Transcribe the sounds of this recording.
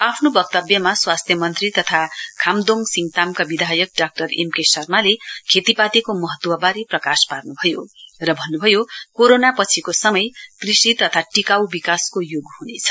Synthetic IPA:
apʰnobʌk̚t̪ʌbjʌmaswast̪ʰjʌmʌnt̪rit̪ʌt̪ʰakʰamd̪oŋsiŋt̪amkabid̪ʱajʌk̚ɖak̚ʈʌremkesʌrmalekʰet̪ipat̪ikomʌɦʌt̪wʌbaɾiprʌkasparnubʱʌjorʌbʱʌnːubʱʌjokoɾonapʌt͡sʰikosʌmʌjprisʈit̪ʌt̪ʰaʈikawbikaskojoɡɦunet͡sʰʌ̥

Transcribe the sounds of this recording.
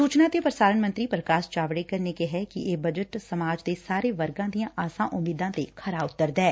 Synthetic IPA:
suːt͡ʃnaːt̪eːpɾəsaːɾənmə̃nt̪ɾiːpɾəkaːst͡ʃaːʋɽeːkəɾneːkeɦɛːkɪeːbəd͡ʒəʈsəmaːd͡ʒd̪eːsaːɾeːʋəɾɡãːd̪ijãːʔaːsãːʔʊmiːd̪ãːt̪eːkʰəɾaːʊt̪ːəɾd̪ɛː

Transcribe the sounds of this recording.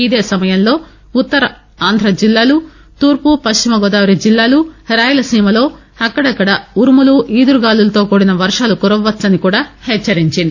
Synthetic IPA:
id̪e̞ːsɐmɐjɐnlo̞ː | ut̪ːɐɾɐ | aːnd̪ʱɾɐd͡ʒilːaːlu | t̪uːɾpupɐst͡ʃimɐɡɔd̪aːʋɾɐd͡ʒilːaːluɾaːjɐlɐsiːmɐlo̞ː | ɐkːɐɽɐkːɐɽɐuɾumuluʔiːd̪uɾuɡaːlulɐt̪o̞ːkoːɽinɐʋɐɾʂaːlukuɾɐʋːɐt̪sɐnikuːɽaːhɛt͡ʃːɐɾiɲt͡ʃind̪i

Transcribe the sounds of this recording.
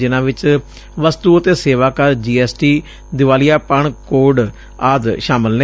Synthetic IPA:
d͡ʒɪnãːʋɪt͡ʃ | ʋəst̪uːət̪eːseːʋaːkəɾd͡ʒiːɛːsʈiː | d̪ɪʋaːlijaːpəɳkoːɖ | aːd̪ʃaːmɪlne

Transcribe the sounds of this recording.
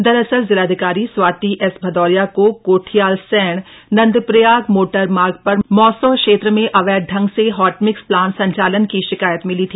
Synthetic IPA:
d̪ɐɾəsəɾzɪlaːd̪ʱɪkaːɾiswaːt̪iʔɛsbʱɐd̪ɔːɾjakokoːʈʰijaːlsɛːɽ̃nɐ̃nd̪pɾəjaːɡmoːʈəɾmaːɾɡ̚pɐɾmɔːsəʋkʃeːt̪ɾəmẽʔɐʋɛːɖʱɐ̃ŋɡseɦɔːʈmɪksplaːnsɐ̃ɲt͡ʃaːlənkiʃɪkaːjət̪mɪlit̪ʰiː

